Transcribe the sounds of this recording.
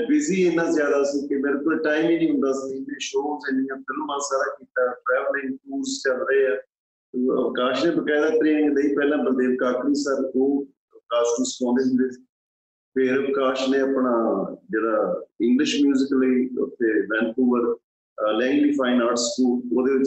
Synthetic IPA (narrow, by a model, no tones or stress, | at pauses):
bɪziːɪnːãːzjaːd̪aːsiːkɪmeːɾeːkoʈaːimiːnĩːɦʊ̃nd̪aːsinẽːʃõːzeːnɪjãːfɪlmãːsaːɾaːkiːt̪aːʈɾɛːʋəlɪ̃ŋkuːɾzt͡ʃəlɾeːɛː | ə̰kaːʃnẽːbəkaːd̪aːt̪ɾeːnɡləiːpɛːlãːbəld̪eːʋkaːkɾiːsəɾoː | əkaːʃʈũːsə̥kɔ̃ːnd̪eːɦʊ̃nd̪eːsiː | pʰɪɾəkaːʃnẽːapɳaːd͡ʒeːɽaːɪ̃ŋɡlɪʃmjuːzɪkləiːʊ̰t̪ʰːeːʋɛ̃ːnkuːbəɾ | lɛ̃ːŋɡliːpʰaːɪnaːʈskuːloːd̪eːʋɪt͡ʃ